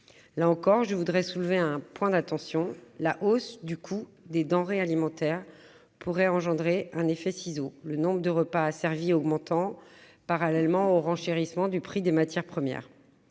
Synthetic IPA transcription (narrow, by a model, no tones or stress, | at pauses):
laɑ̃kɔʁʒəvud̪ʁɛsulveɛ̃pwɛ̃d̪at̪ɑ̃sjɔ̃laʔosd̪ykʰu | d̪ed̪ɑ̃ʁealimɑ̃t̪ɛʁ | pʰuʁɛɑ̃ʒɑ̃d̪ʁeɛ̃nefɛsizolənɔ̃bʁəd̪əʁəpaːsɛʁviɔɡmɑ̃t̪ɑ̃paʁalɛlmɑ̃oʁɑ̃ʃeʁismɑ̃d̪ypχid̪emat̪jɛʁpχəmjɛ̰ːʁ